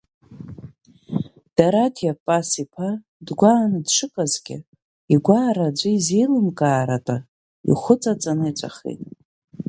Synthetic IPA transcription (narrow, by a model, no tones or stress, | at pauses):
d̥aɾatʰjapʼasipʰa | dɡʷaːnɨdʂɨkʼazɡʲɪ̰ | iɡʷaːɾad͡ʒʷɨizejlɨmkʼaːɾatʼa | ḭχʷʊt͡sʼat͡sʼanɨit͡sʷʼa̰χḛtʼ